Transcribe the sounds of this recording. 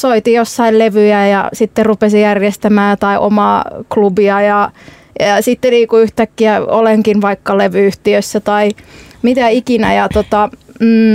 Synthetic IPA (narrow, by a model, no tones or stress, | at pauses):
soit̪ijosːɑilleʋyjæjɑ̰sit̪ːerupesijærjest̪æmæːt̪ɑiʔo̰mɑːklubiɑjɑ | jɑsit̪ːeliːkuyht̪ækːiæo̰leŋkinʋɑikːɑleʋyyht̪iøsːæt̪ɑimit̪æikinæjɑt̪ot̪ɑm̩ː